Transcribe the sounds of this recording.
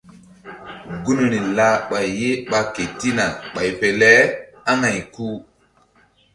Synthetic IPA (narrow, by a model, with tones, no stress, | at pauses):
ɡu˦no˨ni˨la˦ɓa˨jːe˦ɓa˨ke˨ti˦na˨ɓa˨jpe˨lɛ˦ha˦ŋa˨jku˦